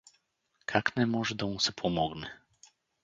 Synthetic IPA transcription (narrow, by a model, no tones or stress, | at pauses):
kʰaknɛmɔʐɛd̪ɔmũsɛpʰɔmɔɡnɛ